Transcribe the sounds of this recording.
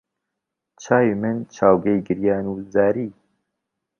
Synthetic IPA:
t͡ʃʰaːwiːmɨnt͡ʃʰaːwɡɛjɡɨɾjɑːnuːzæːɾiː

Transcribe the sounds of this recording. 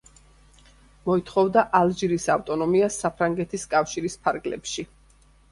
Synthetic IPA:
mɔit̪ʰχɔvd̪aʔalˠd͡ʒiɾisaft̪ʼɔnɔmiasːapʰɾaŋɡɛt̪ʰiskʼafʃiɾispʰaɾɡlɛ̰pʃi

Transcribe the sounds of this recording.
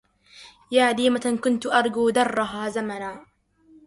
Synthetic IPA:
jaːd̪iːmakʊnt̪ʊʔɑɾˤɡuːd̪ɑrˤːʊɦaːzamanaː

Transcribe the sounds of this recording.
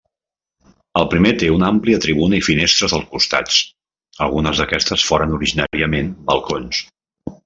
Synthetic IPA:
əlˠpɾimet̪eunampliət̪ɾiβ̞unəifinest̪ɾəzðəlˠkust̪a̰t͡s | əlˠɣunəzðəkɛst̪əsfoɾənuɾiʒina̰ɾiəmenbəlˠkons

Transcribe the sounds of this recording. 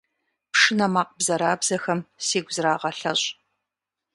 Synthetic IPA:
pʂɨnɐmaːqbzɐɾaːbzɐxɐmseːɡʷʊzraːʁɐɬɐɕʼ

